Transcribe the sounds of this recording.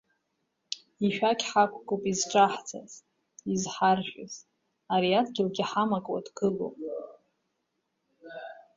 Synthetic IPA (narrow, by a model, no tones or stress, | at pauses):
iʃᶣakʲʼħakʷʰɡʼopʼizʈ͡ʂʼaħt͡sʰa̰z | izħarʒʷᶣʼʊz | aɾiatʰɡʲɪlɡʲɪħamakʼwa̰dɡɨlo̰pʼ